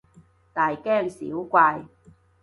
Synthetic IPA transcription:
t̪aː˨jkɛː˥˩ŋsḭ˨˦wkʷaː˧j

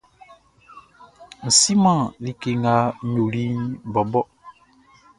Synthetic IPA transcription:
n̩˨si˦mã˦˨li˨ke˨ŋa˦ɲo˨li˦bɔ˨bɔ˦

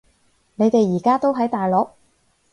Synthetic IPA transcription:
ne˨˧jt̪e˨jiː˨˩kaː˥t̪o˥wɦɐ˨˥jt̪aː˨jlɔː˨˧k̚

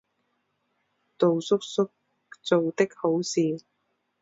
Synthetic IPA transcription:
t̪o˨wsʊ˥k̚sʊ˥k̚ | t͡so˨wt̪ɪ˥k̚ho˨˥wsiː˨

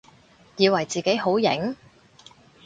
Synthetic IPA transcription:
jiː˨˧wɐ˨˩jt͡siː˨ke˨˥jho˨˥wjɪ̰˨˥ŋ

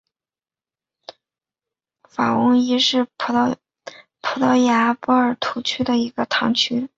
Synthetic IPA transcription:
fa˨˩wʊ˧˥ŋi˧˥ʂɻ̩˥˩ | pʰu˧˥t̪ɑ˧˥ʊja˧˥pɔ˥ə˞˨˩t̪ʰu˧˥t͡ɕʰy˥d̪ə˨i˧˥ɡə˧t̪ʰɑ˧˥ŋt͡ɕʰy˥

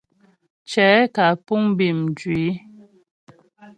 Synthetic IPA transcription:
t͡ʃɛ˨˦ka˨pu˦ŋbi˦˨md͡ʒɥwi˨˦

